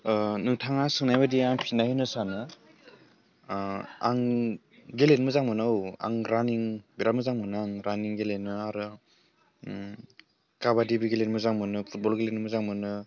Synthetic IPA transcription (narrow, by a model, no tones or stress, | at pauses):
nɯtʰaŋasɯŋnajbadiaŋpʰinajinɯsanɯ | a̰ŋ | ɡelenmɯzaŋmɯnawa̰ŋɾaniŋbiɾamɯzaŋmɯnɯaŋɾaniŋɡelenːɯaɾɯ | kaβadibiɡelenmɯzaŋmɯnɯpʰut̚bɔlɡelenmɯzaŋmɯnɯ